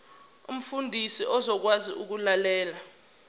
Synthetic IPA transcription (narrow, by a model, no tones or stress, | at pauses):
ṵm̩fundʱisiʔɔzɔk̬wazḭʔuk̬ulalɛːla